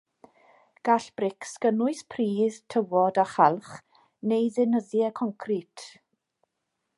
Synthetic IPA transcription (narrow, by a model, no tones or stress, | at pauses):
ɡ̥aɬb̥rɪksɡ̥ənʊɨspʰriːð̥tʰəwɔdaχalˠχ | nejðɪnəðjɛkʰɔŋkʰritʰ